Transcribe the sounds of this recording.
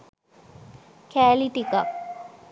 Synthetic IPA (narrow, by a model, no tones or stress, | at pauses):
kæːliʈika